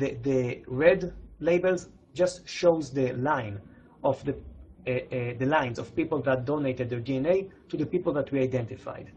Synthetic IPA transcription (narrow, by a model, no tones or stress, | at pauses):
d̪əɹɛd̪leɪbəlz | d͡ʒastʃowzd̪əlãjn | ɔfd̪ə | d̪əlãj̃nzɔv̥piːpəl̩d̪at̪̚d̪oneɪt̪ɛd̪̚ːəɹdiɛ̃nejt̪ud̪əpiːpəlðat̪ʰwɛɹajdɛ̃ntɪfa̰jd̪